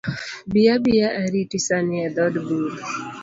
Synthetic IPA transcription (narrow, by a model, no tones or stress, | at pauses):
bijabijaʔɛɾitisanɪɛd̪ɔdbuɾ